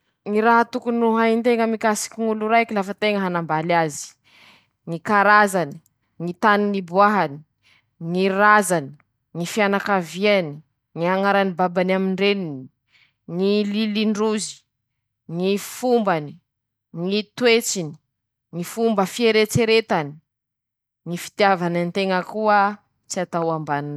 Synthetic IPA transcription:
ŋiɾaɦat̪ukunuɦajint̪eŋəmikasi̥kiŋuluɾajkilafət̪eŋəɦanambalazi̥ | ŋikaɾazani̥ | ŋit̪aninibuaɦani̥ | ŋiɾazani̥ | ŋifianakaviani | ŋiaŋaɾanibabanamiɳɖ͡ʐenini | ŋililiɳɖ͡ʐuzi̥ | ŋifumbani | ŋit̪wet͡sini̥ | ŋifumbəfieɾet͡seɾet̪ani̥ | ŋifi̥t̪iavanant̪eŋəkuə | t͡siat̪awambann

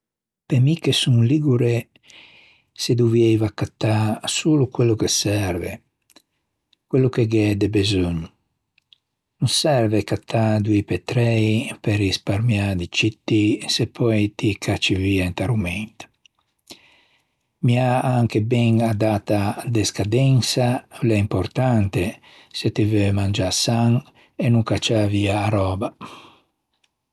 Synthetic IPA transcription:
pemikːesuŋliɡuɾe | sed̪uvjɛjvakːat̪ːasuːlukwelːukesɛɾvḛ | kwelːukeɡɛd̪ebezoɲu | nunsɛɾvekat̪ʰːad̪uipet̪ɾɛjpeɾispaɾmjad̪it͡ʃit̪ːisepʰːɔjt̪ikʰat͡ʃːiviant̪aɾumɛnt̪ | miaaŋkebɛŋad̪aːt̪ad̪eskad̪ɛnsalɛimpoɾt̪ant̪e | set̪ivømand͡ʒasaŋ | enuŋkat͡ʃaviaːɾɔːba

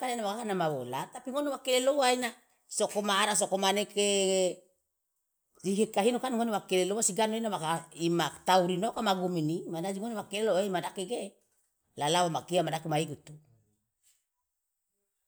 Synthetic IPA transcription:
kanenawakakanamawolat̪apiŋonewakelelowaina | sokomaːɾas̬okomaneke | ziɦekaɦinokanŋonewakelelowasiɡanoinawakaimat̪auɾinokamaɡuminimadad͡ʒiŋonewakeleloemadakeɡe | lalawamakiamadakimaiɡut̪u

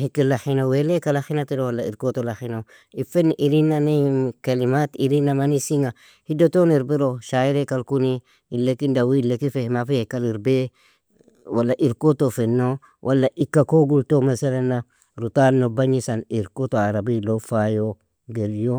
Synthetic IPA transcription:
hikːilaxinawelekalaxinatiɾowalːaḭɾkotolaxina | ifenʔiɾinːanikalimatiɾinːamanisiŋa | hidotoniɾbiɾoʃaiɾekalkuni | ilːekindawilekifehmafijekaliɾbe | wʔalːaʔiɾkotofenːo | wʔalːaʔikːakoɡultomasalanːa | ɾutanːobaɲisaniɾkotoaɾabilofajo | ɡeɾjo

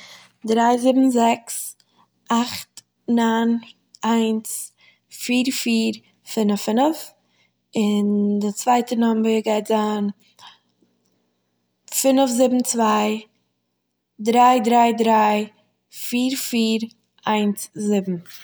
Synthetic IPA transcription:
dɾaɪzɪbm̩zɛks | ʔaχt | nan | aɪns | fiːɾfiːɾ | fɪnəfɪnəf | ɪndɪt͡svaɪtənɔmvɪɡaɪtzaːn | fɪnəfzɪbm̩t͡svaɪ | dɾaɪdɾaɪdɾaɪ | fiːɾfiːɾ | aɪnszɪbm̩

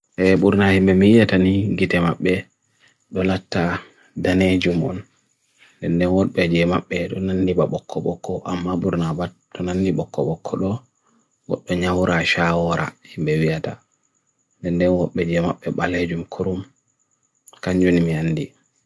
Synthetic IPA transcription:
ʔɛɓuɾnahimbɛmiwijataniɡitɛmaɓːɛ | ɗɔlatːa | daned͡ʒumɔ̰n | dɛndɛnwɔɗɓɛd͡ʒɛmaɓːɛɗɔnanːibaɓɔkːɔɓɔkʰːɔʔamːaɓuɾnabat | ɗɔnanːiɓɔkːɔɓɔkʰːɔɗɔ | wɔ̰ɗːɔɲawuɾaʃawɔɾa̰himbɛwijata̰ | ndɛndɛnwɔɓɛd͡ʒɛmaɓːɛɓaled͡ʒumkʰuɾum | kaɲd͡ʒunimianːdi

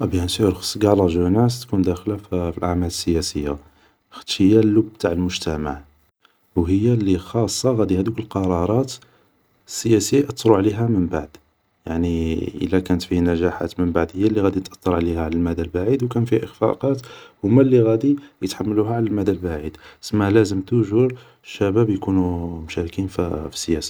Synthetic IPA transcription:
ʔæbjænt̪iɾxsɡɑlɑʒunæst̪kund̪æxlaffilʔaʕmæləsːəjæsəjːa̰ | xə̥t̪ːʃhəjːælːubt̪aʕəlmʊʒt̪æma̰ʕ | whəjːalːixɑsˤːɑɣæd̪ihæd̪ukəlqɑɾˤɑɾˤɑt̪ | əsːəjæsəjːaʔɑt̪ːˤɾˤuʕliɦæməmbaʕd̪ | jaʕniʔə̰lːækænət̪fihnæʒaħa̰t̪mənbaʕd̪həjːælːiɣæd̪it̪ʔɑt̪ˤːɑɾˤʕlihæʕlælmæd̪ælbaʕid̪wkænfihæʔəxfɑ̰qɑt̪hʊmːælːiɣæd̪ijət̪ħamːəluɦæʕlælmæd̪ælbaʕid̪səmːælæzəmt̪uʒuɾ | ʃːæbæbjkunumʊʃæɾkinffi̥sːəjæsi̥

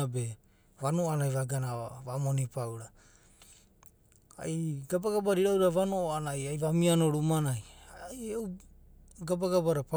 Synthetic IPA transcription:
abe̞ | βanoanajβaɡanaβamo̞nipawɾa | a̰jɡabaɡabaɾiɾawɾaβanooanajajβamiano̞ɾumanajajeu | ɡabaɡabaɾapa

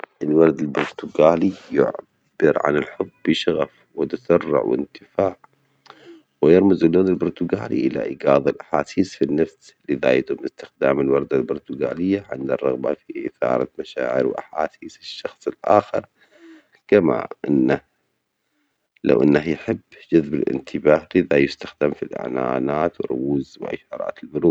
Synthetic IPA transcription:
ʔɪlwɑɾˤd̪albʊɾˤt̪ʊɡaːlijʊ̰ʕ | b̥ɪɾʕa̰nɪlħʊbːɪʃaɣa̰f | wɪt̪asɑrˤːɪ̰ʕwɪ̰nt̪ɪfaːʕ | wɪjɪɾˤmɪzɪlːoːnɪlbʊɾt̪ʊɡaːlḭʔɪla̰ʔɪɡaːðˤalʔaħaːsiːsfinːafs | lɪða̰jat̪ʊmːɪst̪ɪ̥xd̪aːmɪlwɑɾˤd̪albʊɾt̪ʊɡaːlɪjːaʕɪ̰nd̪arˤːɑɣba̰fiʔɪθɑ̰ːɾˤɑ̰maʃa̰ːʕɪ̰ɾwʔaħa̰ːsiːsɪʃːɑxsˤɪlʔaːxɪɾ | kama̰ʔɪnːa | la̰wʔɪnːahjħɪbːd͡ʒʊðbɪlʔɪ̰nt̪ʰɪbaːhlɪðajʊst̪axd̪amfilʔa̰ʕnaːnaːt̪wɪɾˤʊ̰wuːzwʔa̰ʃɑːɾˤɑ̰ːt̪ɪlbʊɾuː

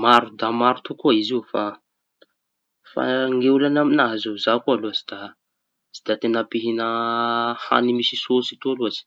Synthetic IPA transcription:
maɾud̪amaɾut̪ukuaiziufa | fa̰ŋɡeulanaminaɦazizakualuazid̪̥a | z̥id̪̥iat̪enapiɦinə | ha̰nimisisosit̪ualuaz̥i̥

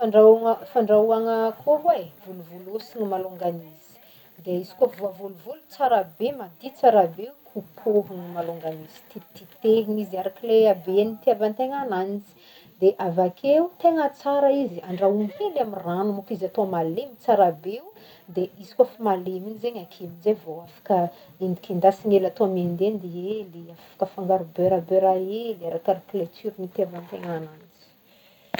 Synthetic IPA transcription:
faɳɖ͡ʐaŋəfaɳɖ͡ʐauaŋəkʰoɦwevuluvulusiŋimaluŋɡaniz̥i̥ | d̪eizi̥kofvavuluvulut͡saɾabemad̪it͡saɾabeukʰupʰoɦuŋimaluŋɡanizi̥t̪it̪it̪eviŋizaɾakileabenit̪iabant̪eŋananizi̥ | d̪eʔavakʰeut̪eŋət͡saɾaiziaɳɖ͡ʐaumhelamiranumukizat̪oamalemit͡saɾabeu | d̪eʔizi̥kwafamaleminzeɲakʰimizevoafḁkə | ind̪ikind̪asinelat̪oamend̪end̪eeliafḁkəfaŋɡaɾubøɾabøɾaelaɾakaɾakletyɾinit̪eavant̪eŋananizi̥

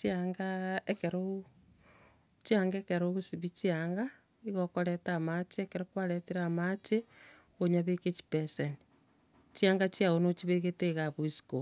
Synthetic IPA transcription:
t͡ʃiaŋɡaekeɾo | t͡ʃiaŋɡekeɾoβusiβit͡ʃiaŋɡa | iɣokoɾetamat͡ʃeekeɾokwaɾetiɾaːmat͡ʃe | oɲaβeket͡ʃi̥peseni | t͡ʃiaːŋɡat͡ʃiaonot͡ʃiβeɣeteɣaβuisi̥ko

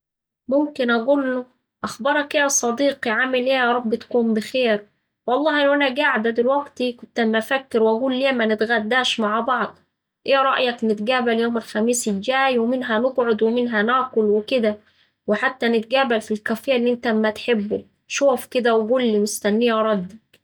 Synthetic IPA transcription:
momkɪnʔæɡuːlːo | ʔɑxbɑɾˤɑkeæsˤɑd̪iːqiʕamɪlʔeːjɑːɾˤɑbːɪt̪kuːmbɪxeːɾ | wɑlˤːɑːhɪnːoʔænæɡaʕd̪æd̪elwæɡt̪ikʊnt̪æmːæfækːɪɾwʔæɡuːlːeːmænɪt̪ɣæd̪ːæːʃmaʕbɑʕd̪ˤ | ʔeːɾˤɑʔjɑknɪt̪ɡæːbæljoːmælxæmiːsɪld͡ʒæːjwemɪnɦænoɡʕod̪wemɪnɦænækʊlwɪkɪd̪æ | weħat̪ːænɪt̪̚ɡæːbælfilkæfejːæʔlːiːʔent̪æmːæt̪ħebːu | ʃoːfkɪd̪æwɡulːimʊst̪ænːejæɾˤɑd̪ːɑk

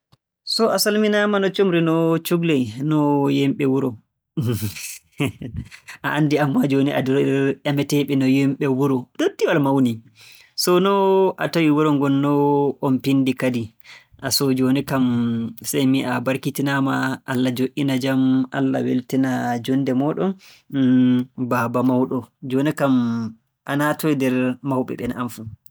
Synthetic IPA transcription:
sɔasalminamanɔt͡ʃomɾinɔt͡ʃuɡlɛjnɔjɛmɓɛwuɾɔ | ʔaʔanːdiamːad͡ʒoniʔa̰dɔɾʔamɛtɛɓɛnɔjɛmɓɛwuɾɔdotːiwalmawni | sɔnɔʔa̰tawiwuɾɔŋɡɔnːɔɔmpindikadiʔasɔd͡ʒonikamsajmiʔabaɾkitinamaʔalːad͡ʒoʔinad͡ʒamʔa̰lːa̰wḛltinad͡ʒɔndɛmɔɗɔn | babamawɗɔd͡ʒonikam | ʔanatoidɛɾmawɓɛ̰ɓɛnanfu

